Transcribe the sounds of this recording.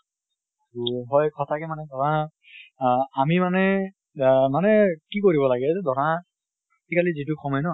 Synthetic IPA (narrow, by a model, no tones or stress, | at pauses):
uɦɔjkʰɔtʰakɛmanɛdʱɔɹa | amimanɛ | manɛkikoɹibɔlaɡɛzɛdɔɹa | tikalizitʊxʰɔmɔjnɔ